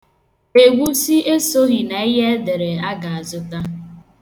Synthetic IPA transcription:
e˨ɡʷu˦si˦e˦so˦ɣi˨na˨i˦ɦe˦de˨ɾe˨a˦ɡa˨a˨zʊ˦ta˦

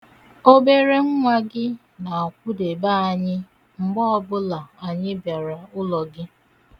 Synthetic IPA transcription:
o˦be˦ɾe˦ŋ̩˦ŋʷa˦ɡɪ˦ | na˨ɔ˨kʷʊ˦de˨ba˦a˨ɲɪ˦ | ŋ͡m̩˨ɡ͡bɔ˦ɔ˦bʊ˦la˨a˨ɲɪ˦bja˨ɾa˨ʊ˦lɔ˨ɡɪ˦

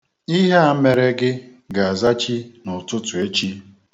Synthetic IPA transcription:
i˦ɦe˦a˦me˨ɾe˦ɡɪ˦ | ɡa˨a˨za˦t͡ʃi˦nʊ˨tʊ˦tʊ˨e˦t͡ʃi˦

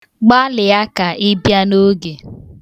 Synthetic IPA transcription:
ɡ͡ba˦lɪ˨ja˦ka˨ʔɪ˦bja˦no˦ɡe˨

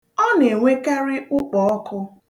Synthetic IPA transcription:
ɔ˦ne˨ŋʷe˦ka˦ɾɪ˦ʔʊ˦k͡pɔ˨ɔ˦kʊ˦

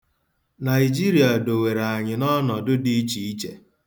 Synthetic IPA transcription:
na˨ɪ˨d͡ʒi˦ɾi˨a˨do˨we˨ɾa˨a˨ɲɪ˨nɔ˦nɔ˨dʊ˦di˦t͡ʃi˨i˦t͡ʃḛ˨

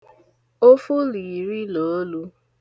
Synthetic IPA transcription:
o˦fu˦li˨ɾi˦lo˨˦lu˦

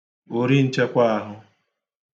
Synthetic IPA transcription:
o˨ɾi˦n̩˦t͡ʃa˦kʷa˦a˨ɦʊ˦

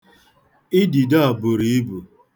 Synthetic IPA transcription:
ɪ˦di˨da˦a˨bʊ˨ɾi˨i˦bu˨

